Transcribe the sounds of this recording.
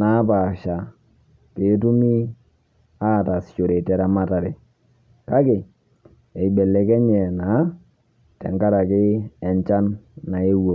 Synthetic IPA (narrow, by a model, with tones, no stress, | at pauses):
na˨˦pa˨ʃa˨ | pe˨˦t̬u˦mi˦ | a˦˨ta˨st͡ʃo˨ɾe˨tɛ˨ɾa˨ma˦ta˨ɾe˨ | ka˦kɪ˨ | e˨i˨be˨le˨kɛ˦ɲɛ˨na˨˦ | tɛ̰˨ŋka˦ɾa˨kɪː˦˨ɲt͡ʃa˦nːa˨e˦wo˨